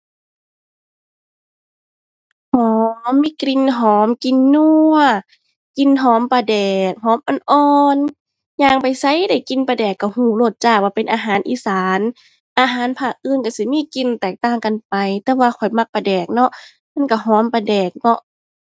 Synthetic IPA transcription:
hɔː˨˦mmːiː˧˥˨kɾi˧˥˨nɦɔː˨˦mki˧˨nːu˧˩ɐ˨ | ki˧˨nɦɔː˨˦mpa˧dɛː˨˩k̚ɦɔː˨˦mʔa˧˨nʔɔː˧n | ɲaː˧˩ŋpa˨jsa˧˥˨jda˧˩jki˧˦npa˧dɛː˨˩kːa˧˩huː˧˩lo˧˩t̪̚t͡ɕaː˧˩k̚waː˧˩pe˨nʔaː˧ɦaː˨˦nʔiː˧˦saː˨˦n | ʔaː˧ɦaː˨˦npʰaː˧˩k̚ʔɯː˧˨nka˧si˧˦miː˧˥˨ki˧˨nt̪ɛː˨˩k̚t̪aː˧˩ŋka˨npa˨jt̪ɛː˧waː˧kʰɔ˨˩jma˧˩k̚pa˧dɛː˨˩k̚nɔ˧ʔ | ma˧˥˨nka˧˩ɦɔː˨˦mpa˧dɛː˨˩k̚nɔ˧ʔ

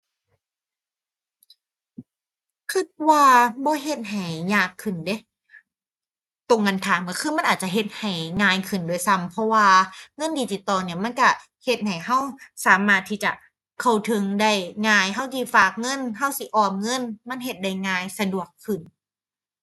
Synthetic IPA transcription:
kʰɯ˧˥˩t̪̚waː˧bɔː˧˦ɦe˧˩t̪̚ɦa˨˩jɲaː˧˩kʰːɯ˨˩nde˧˦ | t̪o˧ŋːɤ˧˨nt̪ʰaː˨˦mkɔ˧˩kʰɯː˧˥˩ma˧˥nʔːt̪̚t͡ɕa˨˩ɦe˧˩t̪̚ha˨˩jŋaː˧jkʰɯ˨˩ndu˧˩ə˨jsa˧˥˨mpʰɔ˧waː˧ŋɤ˧˥˨ndiː˧t̪iː˨˩t̪ɔː˧ni˧˩ɐma˧˥˨nka˧˩ | he˧˩t̪̚ha˨˩jɦa˧˩wsaː˨˦maː˧˩t̪ʰːiː˧˥˩t͡ɕa˨˩ | kʰa˧˩wt̪ʰɯ˧ŋda˧˩jŋaː˧˩jɦa˧˥˩wkiː˧˩faː˨˩k̚ŋɤ˧˥˨nɦa˧˥˩wsi˧˦ʔɔː˨˩p̚ŋɤ˧˥˨nma˧˥˨nɦe˧˩t̪̚da˧˩jŋaː˧jsa˧du˨˩əkʰːɯ˨˩n

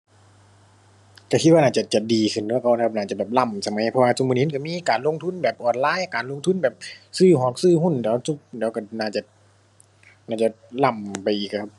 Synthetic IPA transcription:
ka˧˩kʰi˧t̪̚wa˧naː˧˩t͡ɕa˧˩t͡ɕa˨˧˩diː˨kʰɯ˧˩˨nː˧˨ka˧˩n˧kʰa˧naː˧˩t͡ɕa˧˩bɛː˨˩p̚la˧˩˨msa˧ma˨˦jpʰɔ˧waː˧su˧˨mu˧ni˧˥nka˧˩miː˧˥˨kaː˨˩nlo˧˨ŋt̪ʰu˧˥˨nbɛː˨˩p̚ʔɔː˨˩nlaː˧˥˨jkaː˨nlo˧˥ŋt̪ʰu˧˥˨nbɛː˨˩p̚sɯː˧˩˨hɔː˧˩˦k̚sɯː˧˨hu˧˥˩ndɛː˨˦wsu˧˩p̚dɛː˨˦wka˧˩naː˧˩t͡ɕa˧˩ | naː˧˩t͡ɕa˧˩ | la˧˩˨mpa˨jʔiː˨˩k̚kʰa˧p̚

